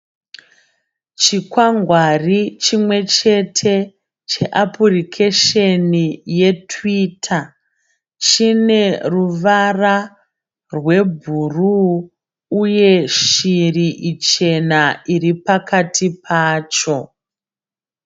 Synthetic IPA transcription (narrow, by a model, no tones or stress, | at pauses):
t͡ʃikwaŋɡwarit͡ʃimwe̞t͡ʃe̞tʰe̞ | t͡ʃe̞ʔapurikʰeʃenije̞tʰwiːtʰa | t͡ʃine̞ruʋara | rwe̞bʱuru | uje̞ʃiriʔit͡ʃe̞naiɾipakatʰipʰaːt͡ʃo̞